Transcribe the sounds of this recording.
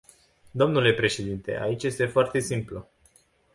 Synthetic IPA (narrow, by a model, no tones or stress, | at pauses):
d̪o̞mnule̞pɾe̞ʃe̞d̪int̪e̞̰ʔa̰it͡ʃje̞st̪e̞foart̪e̞simplu